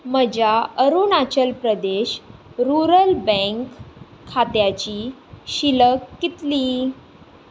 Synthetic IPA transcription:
məd͡ʑaəɾunat͡ɕəlpɾəd̪eɕɾuɾəlbə̃ŋkʰː | at̪jat͡ɕiːɕiləkːit̪liː

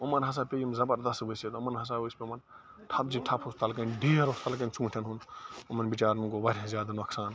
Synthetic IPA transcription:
omɐnɦɐs̬aːpejimzɐbɐɾd̪ɐst̪boset̪ɐmɐnɦɐs̬aospʲemɐn | ʈʰɐp̚d͡ʒiʈʰɐpʰust̪ʰɐlkɐnɖʱeːɾost̪ɐlk̬ɐnt͡ʃũːʈʰɐnɦunumɐnbit͡ʃaːɾnuɡobɐɾʲazjaːd̪anɐksaːn

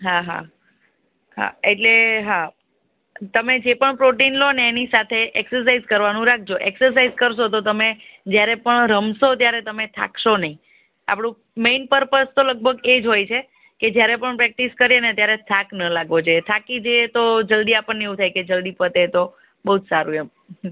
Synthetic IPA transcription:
ɦaɦa̰ | ɦa̰eʈleɦa | t̪əmed͡ʒepəɳpɾoʈinloneːnisat̪ʰeʔɛksəɾs̬aizkəɾʋanũɾak̚ʰd͡ʒoʔɛksəɾs̬aizkəɾʃot̪ot̪əmed͡ʒjaɾepəɳɾəmʃot̪jaɾet̪əmet̪ʰa̰kʰʃonəɦĩ | a̰pɽ̃ũ | meinpəɾpəst̪oləɡ̚bʱəɡed͡ʒɦojt͡ʃʰe | ked͡ʒjaɾepəɳpɾɛk̚ʈiskəɾenet̪jaɾet̪ʰaknəlaɡʱʋod͡ʒojet̪ʰakid͡ʒojet̪od͡ʒəld̪iapəɳːeeũt̪ʰajked͡ʒəld̪ipət̪et̪o | bəɦud͡ʒ̪saɾũem

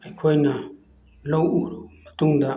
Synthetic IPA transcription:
ɐjkʰojnɐ | lowuɾumɐtuŋdɐ

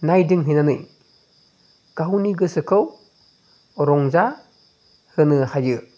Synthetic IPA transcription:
najdɯŋɦɯjnanɯj | ɡ̥aɦuniɡɯsɯkʰɯw | ɾɔŋza | hɯnɯhajɯ

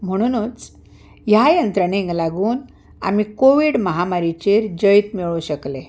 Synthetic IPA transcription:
m̤əɽ̃unut͡s | jajənt̪ɾəɽ̃eŋɡlaɡuːn | a̰mikoʋiɽməɦamaɾit͡ɕeɾd͡ʑəjt̪miɭuɕəkle

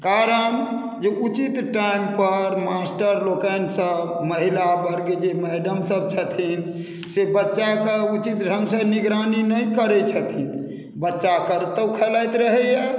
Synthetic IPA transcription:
kaɾən | d͡ʒeʔut͡ʃit̪ʈaimpəɾmasʈəɾlokənsəbməɦilabəɾɡed͡ʒemɛɖəmsəb̚t͡ʃʰət̪ʰin | sebətːʃakeut͡ʃit̪ɖʱəmsəniɡɾaninəjkəɾɛt͡ʃʰət̪ʰin | bətːʃakəɾt̪əwkʰəlajt̪ɾəɦɛja

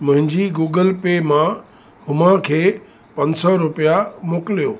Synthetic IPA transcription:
mʊ̃ɦɪ̃ɲd͡ʑiɡuːɡəlpemã | hʊmãkʰeː | pɐ̃ɲsɔɾʊpijamoːkɪlijoː

